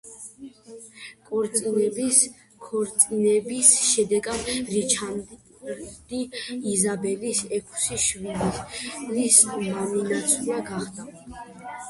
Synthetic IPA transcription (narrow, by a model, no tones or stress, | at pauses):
kʼɔɾt̪sʼinɛbis | kʰɔɾt̪sʼinɛbisʃɛd̪ɛɡad̪ɾit͡ʃʰan | d̪iizabɛlisɛkʰsiʃvilit̪ʰnismaninat̪sʰiaɡaχd̪a